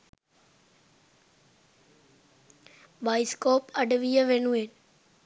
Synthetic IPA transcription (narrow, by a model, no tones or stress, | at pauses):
baːɪskoːpəɖʋijəʋenũɦen